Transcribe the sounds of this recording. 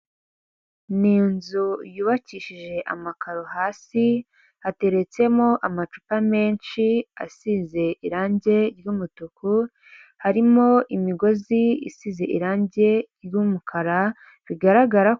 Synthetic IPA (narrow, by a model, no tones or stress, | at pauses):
niːnzujuːβaciːʃiʒe̞ʔa̰makaɾo̞haːsi | hate̞ɾe̞t͡se̞mo̞ʔamat͡ʃupame̞ːnʃia̰size̞ʔiɾaːɲɟe̞ɾjuːmutuku | haɾimo̞ʔimiɡo̞ziḭsize̞ʔiɾaːɲɟe̞ɾjumukʰaɾa | βiɡaɾaɡaɾa